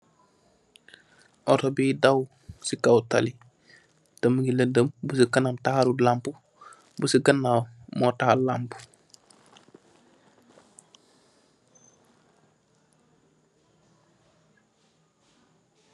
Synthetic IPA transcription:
ʔɔtɔbiːdaw | sikawtali | təməɡiləndəmbusikɐnamtahaɾulampu | busiɡɐnːawmɔtahalampu̥

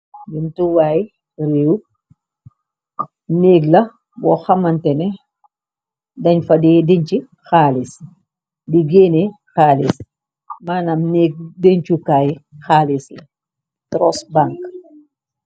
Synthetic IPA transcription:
duntuwaːj | reːw | neːɡlɐ | bɔxɐmɐntɛnɛ | dɐɲfɐdɛːdeɲt͡ʃi | xaːlis | diɡeːnɛ | xaːlis | maːnɐmneːɡ̚deɲt͡ʃukaːjxaːlislɐ | tɾɔsbaŋk

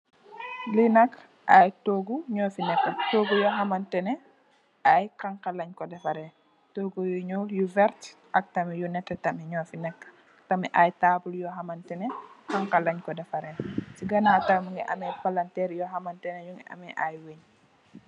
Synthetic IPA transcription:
linɐk | ʔajtoːɡuɲɔːfinɛkːətoːɡujɔɦɐmɐntɛnɛ | ʔajkaŋkalɐɲkɔdɛfɐɾɛ | toːɡujuɲɔljuvɛɾt | ʔɐk̚tɐmɛjunɛtːɛtɐmiɲɔːfinɛkː | tɐmɛʔajtaːbuljɔɦɐmɐntɛnɛkaŋkalɐɲkɔdɛfɐɾɛsiɡɐnatamuŋɛʔɐ̰mɛpalantɛɾjɔɦamɐntɛnɛjuŋɡɛʔɐ̰mɛʔajweɲ

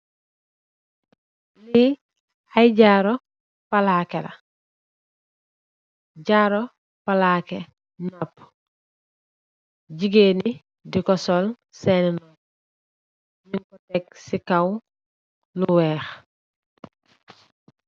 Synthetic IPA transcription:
li | ajɟaːɾɔ | palakɛlɐ̰ | ɟaːɾɔ | palaːkɛ | nɔp | ɟiɡeːni | dikɔsɔl | sɛninɔ | ɲiŋkɔtɛk̚sikaw | luwɛːx

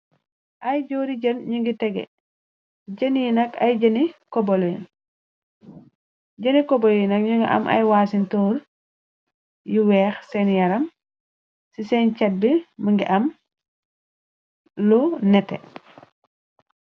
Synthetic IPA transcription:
ʔajɟoːɾiɟɐnɲuŋɡitɛɡɛ̰ | ɟənjinɐkajɟənikɔbolen | ɟənikɔbolinɐk̚ɲuŋɡiʔɐ̰mʔa̰jwasintɔːɾ | jiwɛːxsɛnjɐɾɐm | sisɛnt͡ʃɐt̚biməŋɡiʔɐm | lunɛtːɛ̰

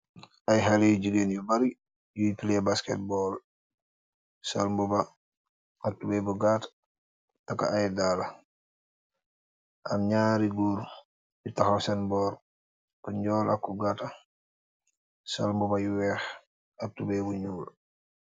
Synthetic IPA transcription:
ʔajɦalijuɟuɡenjubaɾi | jujpilɛbaskɛ̰t̚bɔl | salmbuba | ak̚tubɛbuɡat | takːa̰ʔajdala | ʔamɲaːɾiɡuːɾ | jutaxasɛnbɔːɾ | kuɲɟɔːlʔa̰kːuɡata | sa̰lmbubajuwɛːx | ak̚tubɛbuɲuːl

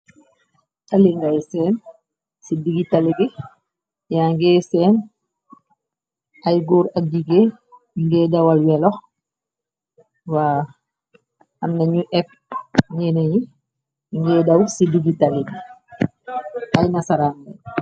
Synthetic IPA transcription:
taliŋɡajsɛːn | sidiɡitɐliɡi | jaŋɡɛːsɛːn | ɐjɡuːɾɐk̚diɡe | ŋɡɛːdɐwɐlwɛlɔx | waː | ɐmnɐɲuʔɛp̚ | ɲɛːneji | ŋɡɛːdɐwsidiɡitɐliɡi | ɐjnɐsɐɾaːndɛ

